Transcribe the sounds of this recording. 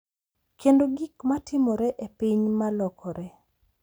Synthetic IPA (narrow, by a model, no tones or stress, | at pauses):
kendoɡikmatʰɪmɔɾɛʔepiɲmalɔkɔɾɛ